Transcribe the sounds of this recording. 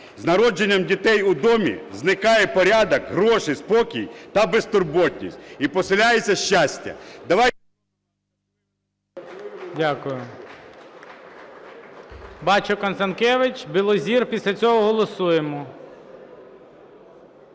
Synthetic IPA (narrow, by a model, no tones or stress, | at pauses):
znɐɾɔd͡ʒenʲːɐmdʲit̪ɛjʊd̪ɔmʲḭznɪkɑjɛpɔɾʲad̪ɐkɦɾɔʃɪspɔkʲijt̪ɐbest̪ʊrbɔtʲnʲisʲtʲipɔsɪlʲajet͡sʲɐʃt͡ʃːasʲtʲɐ̰d̪ɐʋɑ | dʲakʊjʊ | bɑt͡ʃʊkɐnsɐnkɛʋɪt͡ʃʲbʲilˠɔzʲirpʲisʲlʲɐt͡sʲɔɦɔɦɔlˠɔsujemɔ